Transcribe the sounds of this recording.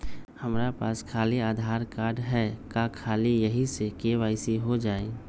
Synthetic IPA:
hɐmɾapaːskʰaːliaːd̪ʱaːɾkaːɾɖɦɛkakʰaːlijɐɦisekeʋaːɪsiɦod͡ʒaːe

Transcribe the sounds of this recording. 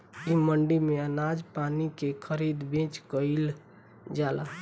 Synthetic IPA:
iməɳɖimeənad͡ʒpanikekʰəɾid̪bẽt͡ʃkəɪl | d͡ʒala

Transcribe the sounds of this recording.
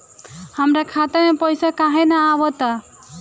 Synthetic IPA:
hamɾakʰat̪ɔmepɔjsakaɦẽnaːwɔt̪a

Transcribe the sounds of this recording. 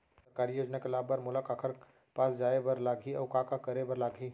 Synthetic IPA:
sɐɾkaːɾijoːd͡ʒnakelaːbəɾmʊləkaːkʰəɾ | paːsd͡ʒaːebɐɾlaːɡʱiɔ̰ːɾkaːkakɐɾebɐɾlaːɡʱi

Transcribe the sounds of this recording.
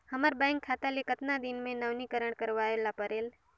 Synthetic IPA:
həməɾbɛ̃ːŋkʰːat̪alikət̪nad̪inmẽnəʋnikəɾəɽ̃kəɾʋaːelapəɾeːl

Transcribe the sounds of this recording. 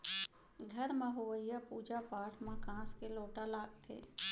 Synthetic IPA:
ɡʱɐɾmãɦoʋəjjapuːd͡ʒapaːʈʰmãkãːskeloːʈalaːɡt̪ʰḛː

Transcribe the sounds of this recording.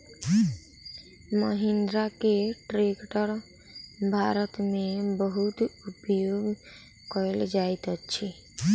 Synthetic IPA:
məɦɪnd̪ɾakeʈɾekʈəɾ | bʱaɾət̪mẽbəɦut̪upjoɡ | kɔeld͡ʒaet̪əʃʰe

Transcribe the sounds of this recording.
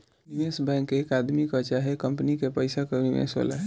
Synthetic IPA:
niʋesbɛ̃ŋkekad̪mikət͡ʃaɦɛkəmpnikepəjsakeniʋḛsʋa̰la̰ɦɛ

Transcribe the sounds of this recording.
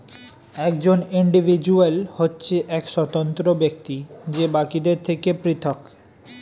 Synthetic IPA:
ɛk̚d͡ʑoniɳɖibʱid͡ʑuəlhotːɕʰeʔɛkʃɔt̪ont̪ɾobek̚t̪id͡ʑebakid̪eɾt̪ʰekepɾit̪ʰok

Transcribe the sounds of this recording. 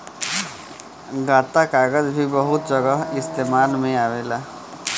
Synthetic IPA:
ɡaːt̪akaːɡəzbʱibɐɦʊt̪̚d͡ʒɐɡəɦɪst̪eːmaːlmẽaːʋeːlaː

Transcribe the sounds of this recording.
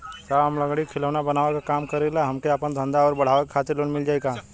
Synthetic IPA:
t̪aɦɐmlɐɡɽikʰɪləʋnabɐnaːʋakakaːmkɐɾelaɦɐmkeapənd̪ʱə̃nd̪aɔːɾbɐɽ̤aːʋəkkʰaːt̪ɪɾloːnmɪld͡ʒaːeɡaː

